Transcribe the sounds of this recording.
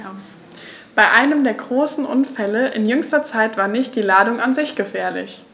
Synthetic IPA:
b̥aɪʔaɪnəmdeːɐɡʁoːsn̩ʔʊ̰nfɛləʔɪnjʏŋstɐt͡saɪtv̥aːɐnɪçt̚d̥iːlaːdʊŋʔanzɪçɡ̥əfɛːɐlɪ̰ç

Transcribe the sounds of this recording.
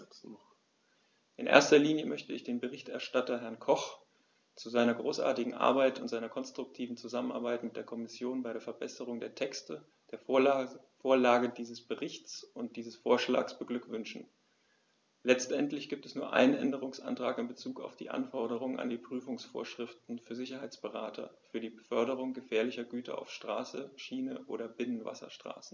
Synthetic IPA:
ʔɪnʔḛːɐstɐliːnjəmʔœçtəɪçd̥eːnbəʁɪçtʔɛɐʃtatɐɦɛɐnkʰɔχ | t͡suzaɪnɐɡʁoːsʔa̰ːɐtɪɡŋ̩ʔa̰ɐbaɪtʊntz̥aɪnɐkʰɔnstʁ̥ʊk̚tʰiːvn̩t͡suzaməna̰ɐbaɪtmɪt̚d̥eːɐkʰɔmɪsjoːnbaɪɾeːɐfɛɐbɛsəʁ̞ʊŋdeːɐtʰɛkstə | d̥eːɐ | foːɐlaːɡədiːzəsb̥əʁɪçt͡sʊnt̚d̥iːzəsfoːɐʃla̰ːksb̥əɡlʏkv̥ʏnʃn̩ | lɛt͡stʔɛntlɪçɡ̥iːp̚tɛsnuːɐʔa̰ɪnənʔɛ̰ndəʁʊŋsʔa̰ntʁ̥aːkɪmbət͡suːka̰ʊfd̥ḭːʔa̰nfɔɐɾəʁ̞ʊŋəna̰ndiːpʁ̥yːfʊŋsfo̰ːɐʃʁ̥ɪftn̩fyːɐzɪçɐɦaɪt͡sb̥əʁaːtʰɐ̰fyːɐdiːbəfœɐɾəʁ̞ʊŋɡəfɛːɐlɪçɐɡyːtʰɐ̰ʔa̰ʊfʃtʁ̥aːsəʃiːnəʔo̰ːɾɐbɪnənva̰sɐ̰ʃtʁ̥a̰ːsn̩

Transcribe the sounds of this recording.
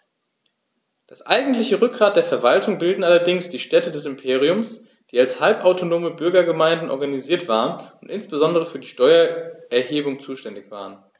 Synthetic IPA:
d̥asʔa̰ɪɡŋ̩tlɪçəʁʏk̚ɡ̥ʁaːt̚d̥eːɐfɛɐvaltʊŋbɪldn̩ʔalɐdɪŋsd̥iːʃtɛtədɛsɪmpʰeːʁ̞iʊms | d̥iːalshalpʔaʊtonoːməbʏɐɡɐɡəmaɪndn̩ʔɔ̰ɐɡaniziːɐtv̥aːʁənʊntʔɪnsb̥əzɔndəʁ̞əfyːɐdiːʃtɔʏɐʔɛɐheːbʊŋt͡suːʃtɛndɪçv̥a̰ːʁ̞ən

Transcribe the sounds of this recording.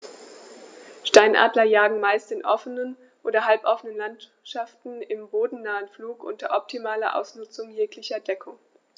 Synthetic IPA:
ʃtaɪnʔa̰ːdlɐjaːɡŋ̩maɪstɪnʔɔfənən | ʔoːdɐɦalpʔɔfənənlant | ʃaftn̩ɪmboːdn̩naːənfluːkʔʊ̰ntɐʔɔp̚tʰimaːlɐʔa̰ʊsnʊt͡sʊŋjeːklɪçɐdɛkʰʊŋ

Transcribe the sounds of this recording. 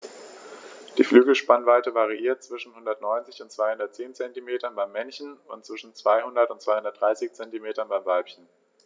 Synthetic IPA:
d̥iːflyːɡl̩ʃpanvaɪtəvaʁ̞iʔiːɐt̚t͡sv̥ɪʃn̩hʊndɐtnɔʏnt͡sɪçʊntt͡sv̥aɪhʊndɐt̚t͡seːnt͡sɛntimeːtɐnbaɪmːɛnçn̩ʊntt͡sv̥ɪʃn̩t͡sv̥aɪhʊndɐtʊntt͡sv̥aɪhʊndɐtdʁaɪsɪçt͡sɛntimeːtɐnbaɪmvalpçən̩

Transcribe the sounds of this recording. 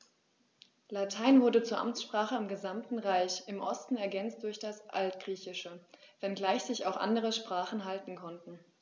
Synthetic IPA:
latʰaɪnvʊɐdət͡suːɐʔa̰mt͡sʃpʁ̥aːχəɪmɡəzamtn̩ʁaɪçɪmʔɔstn̩ɛɐɡɛnt͡st̚d̥ʊɐçd̥asʔa̰ltɡ̥ʁiːçɪʃəvɛnɡlaɪçz̥ɪça̰ʊxʔa̰ndəʁ̞əʃpʁ̥aːχn̩ɦaltn̩kʰɔntn̩

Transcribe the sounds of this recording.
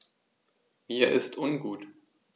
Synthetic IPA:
miːɐʔɪstʰʔʊnɡuːt

